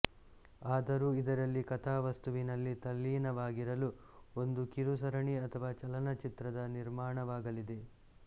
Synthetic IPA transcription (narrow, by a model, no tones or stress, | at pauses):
aːd̪ɐɾuːid̪ɐɾɐlːikɐt̪ʰaːʋɐst̪uʋinɐlːit̪ɐlːiːnɐʋaːɡiɾɐlu | o̞nd̪ukiɾusɐɾɐɳiɐt̪ʰɐʋaːt͡ʃɐlɐnɐt͡ʃit̪ɾɐd̪ɐniɾmaːɳɐʋaːɡɐlid̪e̞